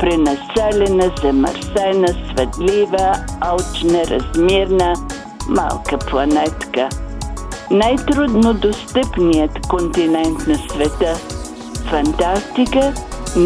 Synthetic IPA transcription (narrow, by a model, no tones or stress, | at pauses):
pɾɛnɐsɛlʲɛnəzɐmə̰ɾsɛnəsvɛt̪livəalˠt͡ʃnəɾɐ̰zmiɾnə | ma̰lˠkəplˠɐnɛt̪kə | najt̪ɾud̪nod̪ost̪əpnijət̪kont̪inɛnt̪nɐsvɛt̪ə | fɐnt̪ast̪ikə